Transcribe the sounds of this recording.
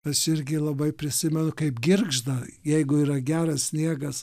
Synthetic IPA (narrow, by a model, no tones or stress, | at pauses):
ɐʃɪɾʲɡʲɪlˠɐbɐɪpʲɾʲɪsʲɪmʲɛnʊkɐɪpɡʲɪrɡʒd̪ɐjɛɪɡʊiːɾɐɡʲæːɾɐssʲnʲiɛɡɐs